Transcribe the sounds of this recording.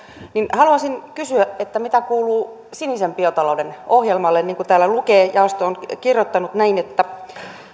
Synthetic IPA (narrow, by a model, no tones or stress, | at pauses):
ninhɑluɑsinkysyæʔet̪ːæmit̪ækuːluː | sinisempiot̪ɑloudenohjelmɑlːenniːŋkut̪æːlːælukeːjɑost̪oonkirjot̪ːɑnut̪næinet̪ːæ